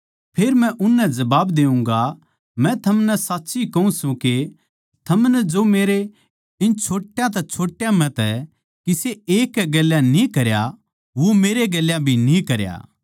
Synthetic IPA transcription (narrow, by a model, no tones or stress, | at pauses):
pʰeːɾmɛ̃ʔʊnːɛd͡ʒɐbaːbd̪eːũŋɡa | mɛ̃t̪ʰɐmnɛsaːtːʃikɐũsũke | t̪ʰɐmnɛd͡ʒomeːɾe | ɪnt͡ʃʰoːʈːjãt̪̬ɛt͡ʃʰoːʈːjãmɛ̃t̪ɛ | kiseeːkːɛɡeljãnĩkɐɾja | ʋomeːɾeɡeljãbʱinĩkɐɾja̰ː